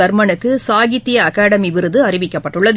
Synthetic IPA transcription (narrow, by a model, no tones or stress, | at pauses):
ɐɾmɐnɯkːɯsaːɡɪt̪ːɪjɐɐkaːɽɐmiʋɪɾɯðɯɐɾɪʋɪkːɐpːɐʈːɯɭːɐð